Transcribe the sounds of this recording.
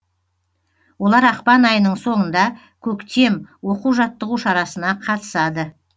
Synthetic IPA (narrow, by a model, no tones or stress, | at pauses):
wo̞lˠɑɾɑqpɑnɑjənəɴso̞ɴənd̪ɑ | kʲʰɵkt̪e̞mwo̞quwʒɑt̪ːəʁuʃɑɾɑsənɑqʰɑt̪ə̥sɑd̪ə